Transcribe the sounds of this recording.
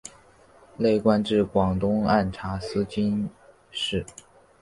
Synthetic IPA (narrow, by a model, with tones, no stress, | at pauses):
le˥˩ɪkwa˥˧nʈ͡ʂɻ̩˥˩kwɑ˨˩ŋt̪ʊ˥ŋa˥˩nʈ͡ʂʰa˧˥sɹ̩˥t͡ɕi˥n | ʂɻ̩˥˩